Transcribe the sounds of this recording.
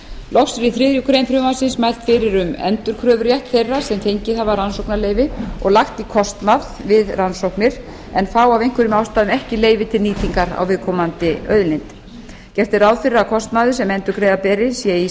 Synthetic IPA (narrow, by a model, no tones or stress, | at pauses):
lɔxksɛɾiθɾɪðɾjʏkʰɾejmfɾʏːmasɪnsmajl̥t̪fɪɾɪɾʏmɛ̰nt̪ʏɾ̥kʰɾœːvʏɾjajht̪θejrːḁsɛmfejɲcɪðhavaɾansowknaleːjvɪɔ̰ɣlaxt̪ikʰɔst̪maðvɪðrʔansowhknɪɾ̥ | ɛnfaːwavejŋ̥kvɪɾʏmawst̪aːðʏmɛhcɪleːjvɪt̪ʰɪlniːt̪iŋkaɾa̰wvɪðkʰɔːmant̪ɪœɥðlɪnt̪ | cɛft̪ɪɾaːwðfɪrakʰɔst̪maːðʏsɛmɛnt̪ʏɾkʰɾejðapɛːɾɪsjɛi